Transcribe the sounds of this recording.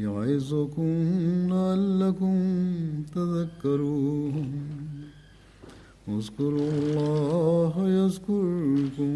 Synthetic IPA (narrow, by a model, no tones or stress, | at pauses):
jʊaɪzʊkʊmlaalːɐkʊmt̪ɐzɐkːɐɾuː | ʊzkʊɾɐlːɑːɦjɐzkʊɾkʊm